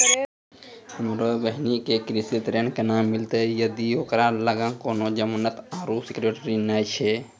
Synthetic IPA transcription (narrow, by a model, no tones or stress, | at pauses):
həmɾobəɦnikekɾisit̪ɾenkenamːilt̪ejəd̪ioːkɾaləɡãkoːnod͡ʒəmənət̪aɾusikɾeʈɾinaːjt͡ʃʰɛ